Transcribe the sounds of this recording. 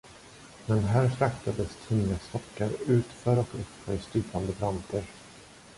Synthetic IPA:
mɛnɦæːɾfɾakt̪ad̪əst̪ʰiːast̪ɔkːaɾʉ̟ːt̪fœːɾɔkɵpfœːɾst̪yːp̪and̪əbɾant̪ʰəɾ

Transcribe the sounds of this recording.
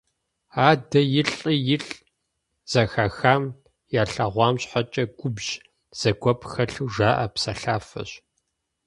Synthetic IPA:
aːdɐjɪɬʼijɪɬʼ | z̥ɐxɐxaːm | jaːɬɐʁʷɑːmɕħat͡ʃʼɐɡʷʊbʒ | z̥ɐɡʷɔpʰxɐɬuʒaːʔɐpsɐɬaːfɐ̰ɕ

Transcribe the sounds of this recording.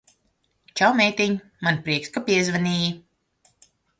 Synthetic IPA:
t͡ʃawmɛjt̪iɲ | manpɾiɛkskapiɛzvanʲiːji

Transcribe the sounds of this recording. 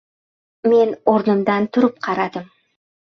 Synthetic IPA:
me̞noɾnəmd̪ɑnt̪ʰʊɾəp̚qʰɑɾɑd̪əm

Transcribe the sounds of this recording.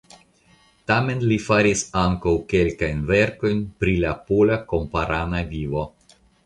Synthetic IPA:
tame̞nlifaɾisaŋkawke̞lkajnve̞ɾko̞jnpɾilapolako̞mpaɾanavivo̞

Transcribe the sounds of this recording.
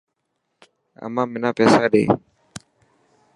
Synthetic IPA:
a̰maminapɛsaɗɛ̰

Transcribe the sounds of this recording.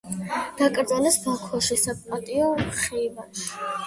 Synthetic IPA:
d̪̥akʼɾd̪zalɛsbakʰwaʃisapʼpʼat̪ʼiɔχivaʃi̥

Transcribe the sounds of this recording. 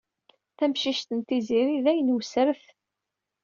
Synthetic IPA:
θæmʃiʃt̪ənt̪iziɾiðæjənwsəɾəθ

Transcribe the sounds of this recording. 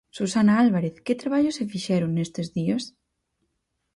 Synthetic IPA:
susanaalβaɾeθket̪ɾaβaʎosefiʃɛɾuŋnest̪ezðiɐs

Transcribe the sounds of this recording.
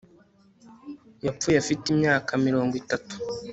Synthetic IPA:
jap͡fujafitimɲaːkamiɾo̞ːŋɡwitatu̥

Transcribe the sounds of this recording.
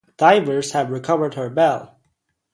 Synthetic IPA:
d̥aɪvə˞z̥hɨvɹikʰʌvə˞d̚hə˞bɛlˠ

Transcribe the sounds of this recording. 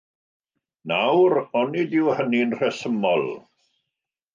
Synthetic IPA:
nawɾɔnidɪwhəninr̥ɛsəmɔlˠ

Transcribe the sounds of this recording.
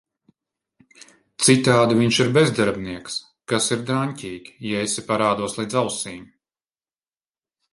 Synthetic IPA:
t̪sit̪aːd̪iviɲʃiɾbezd̪aɾbniɛks | kasiɾd̪ɾaɲʲcʲiːɡʲi̥jɛesʲipaɾaːd̪uɔslˠiːd̪zawsiːm

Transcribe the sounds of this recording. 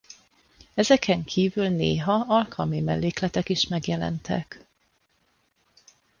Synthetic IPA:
ɛzɛkʰɛŋkʰiːvylneːɦɒɒlkʰɒlmimɛlːeːklɛt̪ɛkiʃmɛɡjɛlɛ̰nt̪ʰɛ̰k

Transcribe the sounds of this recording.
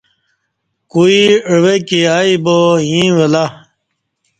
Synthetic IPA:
kuiwekiaːibojĩwela

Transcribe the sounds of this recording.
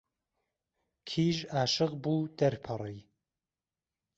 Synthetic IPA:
kʰiːʒaːʃɨɣbuːd̪̥ɐɾpʰɨrˤiː

